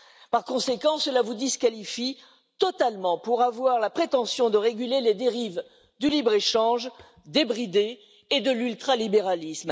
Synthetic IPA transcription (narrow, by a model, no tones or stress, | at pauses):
paʁkɔ̃sekɑ̃səlavud̪iskalifi | t̪ɔt̪almɑ̃puʁavwaʁlapχet̪ɑ̃sjɔ̃d̪əʁeɡʲyleled̪eʁiv | d̪ylibʁeʃɑ̃ʒ | d̪ebʁid̪eː | d̪əlylt̪χalibeʁalism